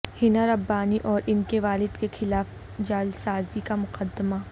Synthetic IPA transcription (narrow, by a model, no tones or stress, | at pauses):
hɪnaɾɐbːaːniʔɔːɾʔɪnkeʋaːlɪd̪kexɪlaːf | d͡ʒaːɪlsaːzikamʊqəd̪ːəma